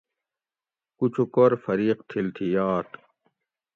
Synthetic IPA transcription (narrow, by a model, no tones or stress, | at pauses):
kut͡ɕʰukoɾfɐɾiːqt̪ʰilt̪ʰijaːt̪